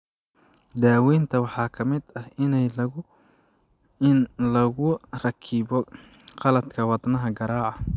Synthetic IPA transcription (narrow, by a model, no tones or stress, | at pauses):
d̪aːwɛːnt̪ʰɐwɑħɑːkʰɐmɪd̪ɐhɪnɛjlɐʊ | ɪnlɐɣʊrɐkʰiːbɔ | qɑlɐd̪kʰɐwɑd̪nɐɦɐɡɐɾaːʕɑ